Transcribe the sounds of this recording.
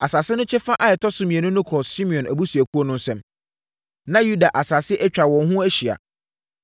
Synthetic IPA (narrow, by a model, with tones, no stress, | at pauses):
a˨saː˨sɪ˦nʊ̃˦t͡ɕʰɛ˦fã˦ʔa˨ɛ˨tʰɔ˦sʊ˦mĩ˨ɛ˨nʊ̃˦nʊ̃˦kʰɔ˨si˦mĩ˨ɔ̃˨nʔæ˨bu˦su˨æ˨ku˦o˦nʊ̃˦n̩˦sɛ̃˦m | nã˦ju˦da˨ʔa˨saː˨sɪ˦ʔɛ˦t͡ɕᶣa˨wɔ̃˨n˦ɦʊ̃˦æ˦ɕi˨a̰˨